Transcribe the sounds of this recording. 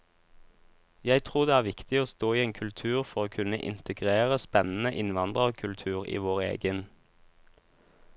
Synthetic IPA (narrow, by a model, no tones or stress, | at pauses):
jæɪt̪ʰʁuːʁd̪eːæːʁʋɪkt̪ɪoːst̪oːiːeːŋkʰʉlt̪ʰʉːʁfɔʁoːkʰʉnə̰ʔɪ̰nt̪ʰəɡʁeːʁəspɛnn̩əʔɪnʋɑnd̪ʁəoːkʰʉlt̪ʰʉːʁḭːʋoːʁḛːɡən